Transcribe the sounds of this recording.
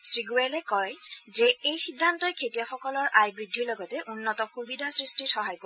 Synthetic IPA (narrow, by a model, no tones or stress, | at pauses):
sɹiɡuɛlɛkɔjzɛejxidʱːantɔjkʰetijaxɔkɔlɔɹʔajbɹidʱːiɹlɔɡɔtɛʔunːɔtɔxubidʱasɹistixɔɦajpo